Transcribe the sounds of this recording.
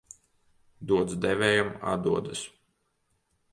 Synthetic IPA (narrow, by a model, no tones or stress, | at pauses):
d̪uɔd̪zd̪ɛvʲɛːjuma̰d̪uɔd̪ɨs